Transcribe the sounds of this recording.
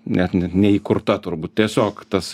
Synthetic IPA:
nʲɛt̪nʲɛt̪nʲɛiːkʊrt̪ɐt̪ʊrbuːt̪̚t̪ʲiɛsʲoːkt̪ɐs

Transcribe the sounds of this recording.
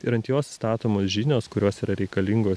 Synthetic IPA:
ɪɾɐnt̪ʲjoːsst̪ɑːt̪oːmoːsʒʲinʲoːskʊɾʲoːsiːɾɐɾʲɛɪkɐlʲiŋɡoːs

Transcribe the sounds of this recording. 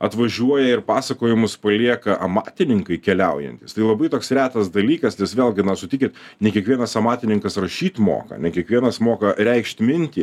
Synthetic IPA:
ɐt̪ʋɐʒʲuɔjɛɪɾpɑːsɐkoːjɪmʊspɐlʲiɛkɐʔɐmɑ̰ːt̪ʲɪnʲɪŋkɐɪkʲɛlʲɛʊjɛ̰nʲt̪ʲɪst̪ɐɪlˠɐbɐɪt̪oːksɾʲæːt̪ɐsd̪ɐlʲiːkɐsnʲɛsʋʲeːlˠʲɡʲɪnɐsʊt̪ʲɪkʲɪt̪nʲɛkʲiɛkʋʲiɛnɐsɐmɑːt̪ʲɪnʲɪŋkɐsrɐʃʲiːt̪mo̰ːkɐ̰nʲɛkʲiɛkʋʲiɛnɐsmoːkɐɾʲɛɪkʃt̪ʲmʲɪnʲt̪ʲiː

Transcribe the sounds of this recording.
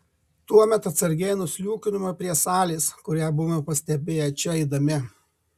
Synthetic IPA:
t̪uɔmʲɛt̪ɐt̪sɐɾʲɡʲɛɪnʊsʲlʲuːkʲɪnʲʊmɐpʲɾʲiɛsɑːlʲiːskʊɾʲæːbʊʋɐpɐsʲt̪ʲɛbʲeːjɛt͡ʃʲɛɪd̪ɐmʲɪ

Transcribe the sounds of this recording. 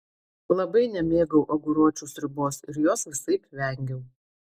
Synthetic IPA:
lˠɐbɐɪnʲɛmʲeːɡɐʊʔɐɡʊɾuɔt͡ʃʲuːsɾʲɪboːsɪɾjoːsʋʲɪsɐɪpʋʲɛˑŋʲɡʲɛʊ

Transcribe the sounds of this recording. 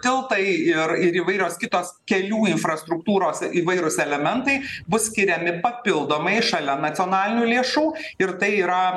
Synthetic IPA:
t̪ʲɪlˠt̪ɐɪɪɾɪɾiːʋɐɪɾʲoːskʲɪt̪oːskʲɛlʲuːɪnfɾɐst̪ɾʊk̚t̪uːɾoːsiːʋɐɪɾʊsɛlʲɛmʲɛnt̪ɐɪbʊssʲkʲɪɾʲɛmʲɪpɐpʲɪlˠd̪oːmɐɪʃɐlʲɛnɐsʲoːnɑːlʲɪnʲuːlʲeːʃuːɪɾt̪ɐɪiːɾɐ

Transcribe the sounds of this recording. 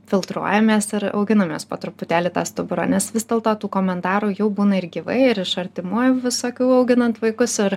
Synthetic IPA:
fʲɪlˠt̪ɾuɔjɛmʲeːsɪɾɐ̰ʊɡʲɪnɐmʲeːspoːt̪ɾʊpʊt̪ʲæːlʲɪt̪ɑ̰ːst̪ʊbʊɾo̰ːnʲɛsʋʲɪzd̪ʲɛːlˠt̪oːt̪uːkoːmʲɛnt̪ɑːɾuːjɛʊbuːnɐɪɾɡʲiːʋɐ̰ɪɪɾɪʃɐɾʲt̪ʲɪmuɔjuʋʲɪsoːkʲuʊɐʊɡʲɪnɐnt̪ʋɐɪkʊsɪɾ

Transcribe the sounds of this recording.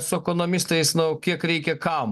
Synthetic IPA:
sʊɛkonomʲɪst̪ɐɪsnʊkʲiɛkɾʲɛɪkʲɛkɐʊm

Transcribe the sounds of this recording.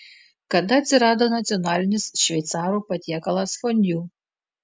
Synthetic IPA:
kɐd̪ɐɐt̪ʲsʲɪɾɑːd̪oːnɐt̪sʲiɔnɑːlʲɪnʲɪsʃʲʋʲɛjt̪sɑːɾuːpɐt̪ʲiɛkɐlˠɐsfɔnʲd̪ʲjuː

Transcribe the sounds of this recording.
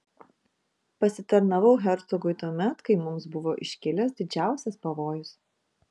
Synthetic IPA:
pɐsʲɪt̪ɐɾnɐʋɐʊɦʲɛɾt̪sɔɡʊɪt̪uɔmʲɛt̪kɐɪmʊmsbʊʋoːʔɪʃʲkʲɪlʲɛsd̪ʲɪd͡ʒʲæˑʊsʲɛspɐʋoːjʊs

